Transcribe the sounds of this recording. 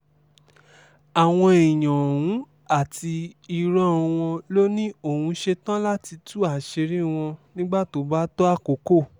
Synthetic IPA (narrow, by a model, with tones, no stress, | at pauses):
a˨w̃ɔ̃˧i˨j̃ã˨hũ˨˦ | a˦˨ti˧i˧ɾã˦˧w̃ɔ̃˧lo˦nĩ˦o˦˨hũ˨˧˦ʃe˧tã˦la˦ti˧tu˦a˦˨ʃe˧ɾi˦w̃ɔ̃˧nĩ˦ɡ͡ba˦˨to˨˦ba˦tɔ˦a˦˨ko˨˦ko˦˨